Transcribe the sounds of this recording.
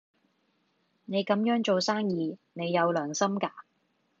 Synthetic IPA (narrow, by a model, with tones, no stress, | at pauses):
ne˨˧jkɐ˨˥mjœː˨˥ŋt͡ʃo˨wsaː˥ŋjiː˨˧ne˨˧jːɐ˨˧wlœː˨˩ŋsɐ˥mkaː˧